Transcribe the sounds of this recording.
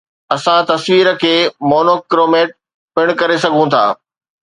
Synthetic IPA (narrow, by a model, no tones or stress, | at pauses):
ɐsãt̪ɐsʋiːɾə̆kʰeːmoːnoːkɪɾoːmeːʈ̚ | pɪɽ̃kɐɾesɐɡʱũt̪ʰa̰ː